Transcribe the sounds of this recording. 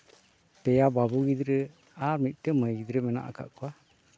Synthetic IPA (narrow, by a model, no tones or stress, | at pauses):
pɛjababuɡid̪ɾɛ | aɾmit̪̚ˀʈəməjɡid̪ɾəmɛna̰ʔa̰ka̰ʔkɔwa